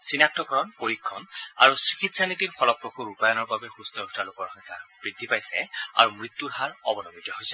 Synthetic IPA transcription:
sinak̚tɔkɔɹɔnpoɹikʰːɔna̰ɹusɹi̥kitsanitiɹxʰɔlɔpɹokʰuɹupajɔnɔɹbabɛxustɔɡu̥talokɔɹxɔŋkʰab̥ɹidʱːipajsɛ̰a̰ɹumɹit̪ːuɹɦaɹɔbɔnɔbitɔɦojsɛ

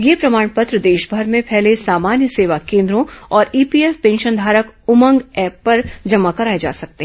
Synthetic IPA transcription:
jeːpɾɐmaːɽ̃pət̪ɾəd̪eːʃbʱɐɾmẽpʰɛɦlesaːmaːnjəseːʋakẽːnd̪ɾõɔːɾiːpiːɛːfpẽːnʃənd̪ʱaːɾəkʊmə̃ŋɡɛːpːɐɾd͡ʒɐmakɐɾaːed͡ʒa̰ːsɐk̚t̪eɦɛ̃

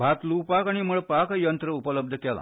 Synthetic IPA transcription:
bʱat̪lupakaɽ̃iməɭpakjənt̪ɾəupələb̚d̪ʱəkɛla̰

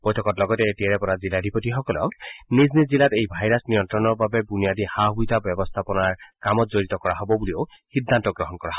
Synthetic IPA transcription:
b̥ɔjtʰɔkɔtlɔɡɔtɛetiaɹɛpɔɹaziladʱipotixɔkɔlɔ̰kniznizilatejbʱajɹasnijɔntɹɔnɔɹbabɛbunijadixaɦbujtabɔbɔst̪ʰapɔnaɹkamɔtzoɹitɔkɔɹaɦɔbɔbulio | xidʱːantɔɡɹɔɦɔnkɔɹaɦ

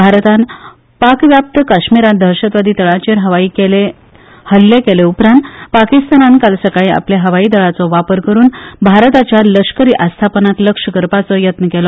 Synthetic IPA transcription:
bʱaɾt̪an | pakʋjap̚t̪əkaɕmiɾãnd̪ʱəɾɕət̪ʋad̪ʱiːt̪əɭat͡ɕeɾɦəʋaiːkele | həlːekeleupɾãnt̪pakist̪anãnkalsəkaɭĩa̰pljaɦəʋaiːd̪əɭat͡sɔʋapəɾkəɾuːnbʱaɾt̪at͡ɕjaləʂkəɾiːʔast̪ʰapənat̪ləkʂəɡəɾpat͡sɔjət̪nəkɛlɔ

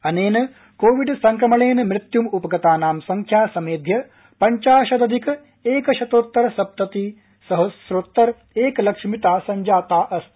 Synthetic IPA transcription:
ɐneːnɐ | koːʋiɖsɐŋkɾɐmɐɭeːnɐmɾɪt̪jumupɐɡɐt̪aːnaːmsɐŋkʰjaːsɐmeːd̪ʱjɐ | pɐɲt͡ʃaːʃɐd̪ɐd̪ʱikɐ | eːkɐʃɐt̪oːt̪ːɐɾɐsɐp̚t̪ɐt̪iː | sɐɦɐsɾot̪ːɐɾ | eːkɐlɐkʂmit̪aːsɐɲd͡ʒaːt̪aːʔɐst̪

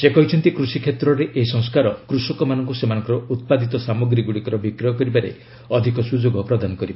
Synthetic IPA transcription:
sekɔɦit͡ʃʰɔnt̪ikɾusikʰet̪ɾɔɾeʔeɦisɔ̃ŋskaɾɔkɾusɔkɔmanɔŋkusemanɔŋkɔɾɔut̪̚pad̪it̪ɔsamɔɡɾiɡuɽikɔɾɔbikɾɔjɔkɔɾibaɾḛ | ɔd̪ʱikɔsud͡ʒoɡɔpɾɔd̪anɔkɔɾiba

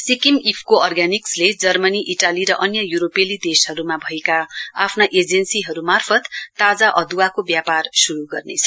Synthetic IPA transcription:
sikimipʰkoʌrɡaniksled͡zʌrmʌniʔiʈaliɾʌʔʌnjʌjuɾopelid̪esɦʌɾumabʱʌekaa̰pʰnaʔed͡zensiɦʌɾumarpʰʌt̪ːad͡zaʔʌd̪uwakobjaparsuɾuɡʌrnet͡sʰʌ

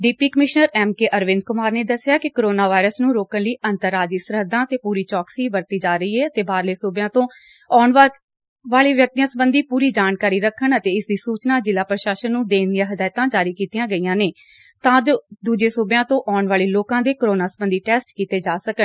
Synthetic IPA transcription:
ɖiːpiːkəmɪʃnəɾɛːmkeːʔəɾʋɪ̃nd̪kʊmaːɾneːd̪əsːɪjaːkɪkoɾoːnaːʋaːɪɾəsnũːɾoːkənləiːənt̪əɾaːd͡ʒiːsəɾɦəd̪ãːət̪eːpuːɾiːt͡ʃɔːksiːbəɾt̪iːd͡ʒaːɾəiːɛːət̪eːbaːɾleːsʊːbjãːt̪õː | ɔːɳʋ | ʋaːɭeːʋjək̚t̪ijãːsəbənd̪iːpuːɾiːd͡ʒaːnkaːɾiːɾəkʰːəɳət̪eːɪsd̪iːsuːt͡ʃnaːd͡ʒɪlaːpɾəʃaːʃənːũːd̪eːnd̪ijãːɦɪd̪aːjt̪ãːd͡ʒaːɾiːkiːt̪ɪjãːɡəiːãːneː | t̪ãːd͡ʒoːd̪uːd͡ʒeːsʊbjãːt̪õːʔɔːɳʋaːɭeːloːkãːd̪eːkoɾoːnaːsəbənd̪iːʈɛːsʈkiːt̪eːd͡ʒaːsəkən

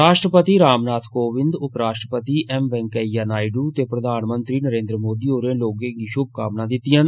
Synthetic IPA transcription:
ɾaːʃʈɾəpət̪iːɾaːmnaːt̪ʰkoːʋɪnd̪ʊpɾaːʃʈɾəpət̪iːʔɛːmʋɛ̃ːŋkəijaːnaːiɖuːt̪eːpɾəd̪ʱaːnmənt̪ɾiːnəɾeːnd̪ɾəmoːd̪iːoːɾẽːloːɡẽːɡiːʃʊb̚ʱkaːmnãːd̪ɪt̪ːɪjãːn

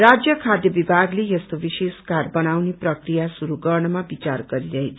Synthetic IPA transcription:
rad͡zjʌkʰad̪jʌbibʱaɡlejʌst̪obiseskarbʌnawneprʌkrijasuɾuɡʌrɳʌmabit͡sarɡʌɾiɾʌɦet͡sʰ

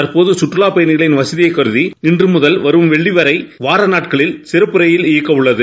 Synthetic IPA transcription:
ɐɾpoːðɯsʊʈrɯɭaːpɐjɐnɪɣɐɭɪnʋɐsɐðɪjɐɪkːɐɾɯðiɪndrɯmʊðɐlʋɐɾɯmʋɛɭːiʋɐɾɐɪʋaːɾɐnaːʈkɐɭɪlsɪɾɐpːɯɾɐjɪlɪjɐkːɐʋɯɭːɐðɯ

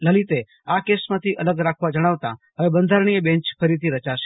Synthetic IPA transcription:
ləlit̪e | akesmãt̪ʰiʔələɡɾakʰʋad͡ʒəɽ̃aʋt̪aɦəʋebənd̪ʱaɾɳ̃iebẽɲt͡ʃpʰəɾit̪ʰiɾət͡ʃaʃe̥

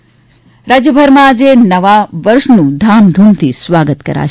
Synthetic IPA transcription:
ɾad͡ʒjəbʱəɾmãːd͡ʒenəʋaʋəɾʃnũd̪ʱamd̪ʱunt̪ʰisʋaːɡət̪kə̰ɾa̰

